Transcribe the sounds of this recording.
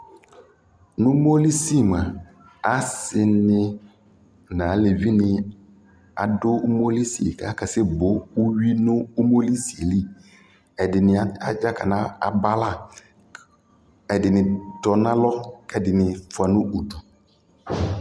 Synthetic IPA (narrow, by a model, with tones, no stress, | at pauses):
nʊ̃˦mo˦li˦si˦˨m˨a˨ | a˦sɪ˨nɪ̃˦ | nã˨˦le˨vi˦nɪ̃˦ | a̰˨dʊ˦mo˦li˦si˨ḛ˨kʰa˦kʰa˨sɛ˦bʊ˨˦u˦ɥi˦nʊ̃˦u˦mo˦li˦si˨e˨li˦ | ɛ˨dɪ˨nɪ̃˨a˨d͡ʒa˦kʰa̰˨nã˦a̰˨ba˦la˦˨ | ɛ˨dɪ˨nɪ̃˨dɔ˨nã˦lɔ˦kɛ˨dɪ˨nɪ̃˨fʊ˨a˨nʊ̃˦u˨tɔ˨